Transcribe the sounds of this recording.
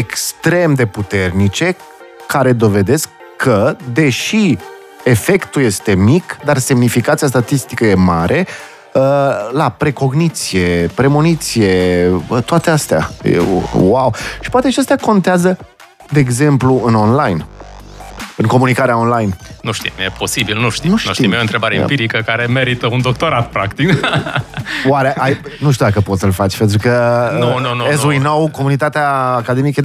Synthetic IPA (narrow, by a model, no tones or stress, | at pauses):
ekst̪ɾe̞md̪e̞put̪e̞rnit͡ʃe̞ | kaɾe̞d̪o̞ve̞d̪e̞skʰːəd̪e̞ʃi | e̞fe̞kt̪uje̞st̪e̞mikd̪arse̞mnifikat̪sijas̬t̪at̪ist̪ikəje̞maɾʔe̞ | əlapɾe̞ko̞ɡnit̪sije̞pɾe̞monit̪sije̞t̪oat̪e̞ast̪ea̰jḛwawʃi̥poat̪eʃiast̪eako̞nt̪eazə | d̪e̞ːɡze̞mpluɨno̞nlajn | ɨŋko̞munikaɾeao̞nlajnnuʃt̪ḭmjepʰo̞sibilnuʃt̪inuʃt̪uʃt̪iimjont̪ɾebaɾeimpiɾikəkaɾe̞me̞ɾit̪əund̪o̞k̚t̪o̞ɾat̪̚pɾakt̪ik | waɾeʔajnuʃ̬t̪iud̪akəpo̞t̪səlfat͡ʃʲpe̞nt̪ɾukənnonezuinowko̞munit̪at̪eaːkad̪e̞mikə